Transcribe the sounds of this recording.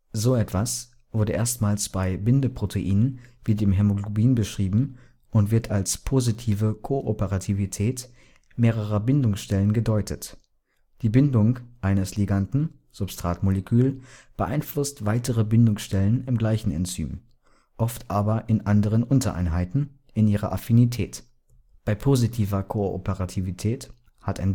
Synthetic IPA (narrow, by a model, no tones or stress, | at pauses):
zoːɛtv̥as | v̥ʊɐdəʔeːɐstmaːlsb̥aɪbɪndəpʁ̥otʰeʔiːnənvidɪːmɦɛmoɡlobiːnbəʃʁ̥iːbm̩ | ʊntv̥ɪɐtʰalspʰozitʰiːvəkʰoʔopəʁatʰivitʰɛːt | meːʁ̞əʁɐbɪndʊŋsʃtɛlənɡədɔʏtʰət | d̥iːbɪndʊŋʔaɪnəsliɡantn̩ | z̥ʊpstʁ̥aːtmolekʰyːlb̥əʔaɪnflʊstv̥aɪtəʁəbɪndʊŋsʃtɛlənɪmɡlaɪçn̩ɛ̰nt͡sy̰ːm | ʔɔftʔaːbɐʔɪnʔandəʁ̞ənʔʊntɐʔa̰ɪnɦaɪtn̩ | ɪnʔiːʁɐ̰ʔa̰finitʰɛːt | b̥aɪpʰozitʰiːvɐkʰoʔo̰pəʁatʰivitʰɛːt | hataɪn